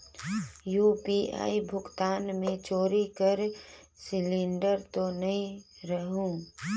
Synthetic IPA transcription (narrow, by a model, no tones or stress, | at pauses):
juːpia̰ːibʱʊɡt̪aːnmẽt͡ʃoːɾikəɾ | sɪlɪ̃ɳɖəɾt̪onɐɦĩɾəɦũ